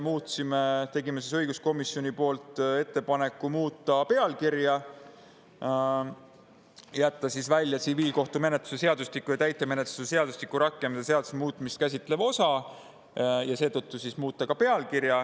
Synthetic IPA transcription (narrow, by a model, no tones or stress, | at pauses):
emuːt̪simet̪e̞ɡime̞sisɤjɡ̥usko̞misjo̞nʲipo̞ːlt̪ˑe̞t̪ːe̞pɑne̞kːˑumuːt̪ˑːɑpe̞ɑlkirjɑ | jæt̪ːɑsisvælʲjɑt̪siviːlko̞ht̪ume̞net̪lu̥se̞se̞ɑd̪uslikːujɑt̪æjt̪ːˑeme̞net̪lu̥se̞se̞ɑd̪̥uslikːˑuɾɑkːˑe̞mseseɑd̪usmuːt̪ːˑmist̪kæs̬ʲit̪ˑle̞vo̞sɑ | jɑse̞ːt̪ɤt̪ːusismuːt̪ːˑɑkɑpe̞ɑlkirjɑ